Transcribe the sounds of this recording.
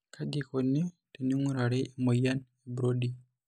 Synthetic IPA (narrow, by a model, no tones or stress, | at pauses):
kʰadikonːi | teniŋuɾaɾemojanebuɾodi